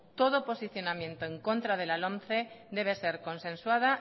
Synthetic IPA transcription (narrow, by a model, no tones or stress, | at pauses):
t̪o̞ð̞opo̞siθjo̞namjẽ̞nt̪oẽŋko̞nt̪ɾað̞e̞lalõnθed̪e̞β̞ese̞ɾko̞nsẽ̞nswaða